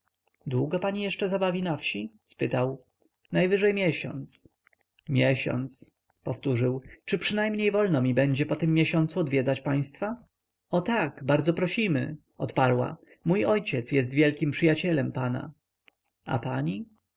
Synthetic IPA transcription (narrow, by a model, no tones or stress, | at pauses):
d̪wuɡɔpaɲijɛʂt͡ʂɛzabavʲinafɕispɘt̪aw | najvɘʐɛjmʲjɛɕɔ̰nt̪s | mʲjɛɕɔ̰nt̪s | pɔft̪uʐɘwt͡ʂɘpʂɘnajmɲejvɔlnɔmʲibɛɲd͡ʑɛpɔt̪ɘmːjeɕɔnt̪suɔd̪vʲjɛd̪zat͡ɕpaj̃st̪fa | ɔt̪aɡbaɾd̪zɔpɾɔɕimɘ̰ | ɔt̪paɾwa̰ | mujɔjt͡ɕɛt̪sjɛst̪vʲjɛlkʲimpʂɘjat͡ɕɛlɛmpana̰ | a̰paɲi